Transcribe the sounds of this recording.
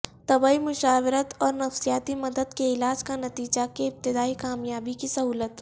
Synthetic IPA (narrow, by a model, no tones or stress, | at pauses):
t̪ɐbaːimʊʃaːʋɪɾət̪ɔːɾnɐfsijaːt̪imɐd̪əd̪keɪlaːd͡ʒkanɐt̪iːd͡ʒakeɪp̚t̪ɪd̪aːikaːmjaːbikisɐɦuːlət̪